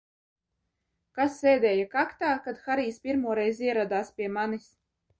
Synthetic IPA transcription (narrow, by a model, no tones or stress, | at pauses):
kasːeːd̪ʲɛːjakakt̪aːkad̪xaɾiːspʲiɾmuɔɾɛjziɛɾad̪aːspʲiɛmanis